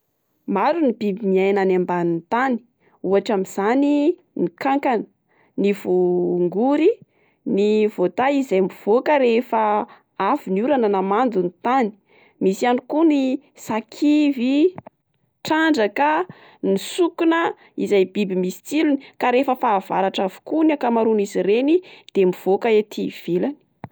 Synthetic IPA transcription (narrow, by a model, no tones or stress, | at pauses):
maɾunibibimiajnanambanint̪ani̥ | uaʈ͡ʂamiz̥ani | nikaŋkanə̥ | nivuŋɡuɾi | nivot̪aizajmiv̥okəɾefə | avunuɾananamand͡zunit̪ani̥ | misianikuni | sakʰivi | ʈ͡ʂaɳɖ͡ʐakə | nisukunə | ḭzajbibimisi̥t͡silunikaɾefəfaːv̥aɾaʈ͡ʂavu̥kunakamaɾuniziɾenid̪̥emiv̥okəet̪ʰiv̥ilani̥